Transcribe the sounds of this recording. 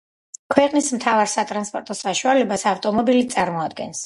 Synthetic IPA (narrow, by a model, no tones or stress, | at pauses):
kʰwɛqʼnismt̪ʰavaɾsat̪ʼɾanspʼɔɾt̪ʼɔsaʃualɛbasaft̪ʼɔmɔbilit̪sʼaɾmɔad̪̚ɡɛ̰ns